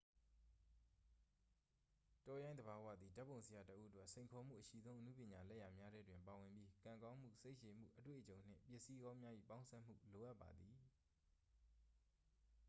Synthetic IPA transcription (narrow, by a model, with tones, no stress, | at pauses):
tɔ˦jã˦nd̪əba˨wä̰˦˨d̪ði˨da˦pːo˨ʊ̃sʰə˨ja˨tə˦ʔu˦ʔə˦t̬wɛ˦ʔsʰẽ˨ɪ̃ŋkʰɔ˨m̥ṵ˦˨ʔəʃḭ˦˨zõ˦ʊ̃ʔənṵ˦pjɪ̃˨ɲa˨lɛ˦˨ja˨mja˦ɾɛ˦dwɪ̃˨mpa˨wɪ̃˨mbji˦kã˨ŋkã˦m̥ṵ˦˨se˦ɪʔʃe˨m̥ṵ˦˨ʔətwḛ˦˨ʔət͡ɕõ˨ʊ̃n̥ɪ̰̃˦˨pjɪ˦˨ʔsi˦ɡã˦mja˦ʔḭ˦˨pã˦ʊ̃sʰɛ˦m̥ṵ˦˨lo˨ʔa˦pːa̰˨d̪ði˨